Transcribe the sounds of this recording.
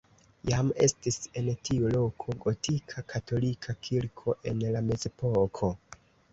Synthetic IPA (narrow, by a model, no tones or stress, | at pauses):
jame̞̰stise̞ntʰiulo̞kʰo̞ɡo̞tʰikʰakʰatʰo̞likʰakʰilkʰo̞ʔe̞nlame̞ze̞pokʰo̞